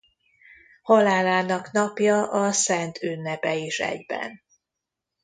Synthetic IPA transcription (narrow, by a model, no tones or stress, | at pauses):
holaːlaːnɒknɒpjɒʔɒsɛnt̪ʰynːɛpɛiʃɛ̰ɟbɛ̰n